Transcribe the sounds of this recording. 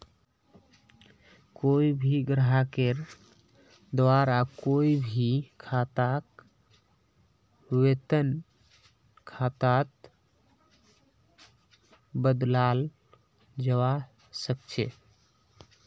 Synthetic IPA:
koibʱiɡɾəɦakeɾ | d̪ʋaɾakoibʱikʰat̪ak | wet̪ən | kʰat̪at̪ | bəd̪lal | d͡ʒəwa | səkt͡ʃʰḛ

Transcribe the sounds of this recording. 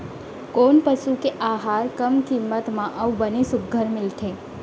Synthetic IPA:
konpəʃukeʔaɦaɾkəmkimːət̪mãʔəwbənesʊɡʱːəɾmɪlʈ̪ʰe

